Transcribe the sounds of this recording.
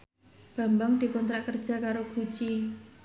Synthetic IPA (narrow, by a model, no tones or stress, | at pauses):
b̥a̤mbaŋd̪̥i̤kɔnt̪ɾaʔkərd̥ʒ̥a̤kaɾoɡ̥u̥t͡ʃi